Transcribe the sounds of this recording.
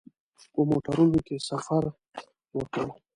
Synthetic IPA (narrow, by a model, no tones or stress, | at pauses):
pəmoʈaɾunokesafaɾ | wəkəw